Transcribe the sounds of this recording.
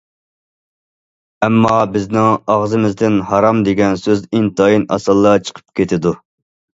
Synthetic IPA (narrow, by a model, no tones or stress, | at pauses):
ɛmːɑbɪznɪŋɑʁzɨmɪzd̪ɪnhɑɾɑmd̪eɡʲɛnsøzint̪ɑjinɑ̰sɨlˠːɑt͡ʃʰə̥qʰə̥p̚kʲet̪ʰɪd̪u